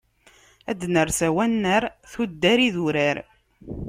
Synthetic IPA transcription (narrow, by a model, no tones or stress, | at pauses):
æ̰d̪nəɾsæwænːəɾθud̪ːæɾiðuɾæɾ